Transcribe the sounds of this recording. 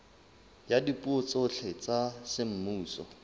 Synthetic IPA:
jadipʼuot͡sʊɬʰɛt͡sasɪm̩muːsɔ̰

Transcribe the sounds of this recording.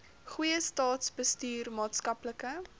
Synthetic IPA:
χujəstɑːtsbəstyːrmɑːtskɐpləkə

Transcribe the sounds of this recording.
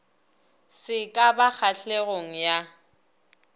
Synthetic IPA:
sɪkʼabak͡xʰaɬeɣoŋ̩ja

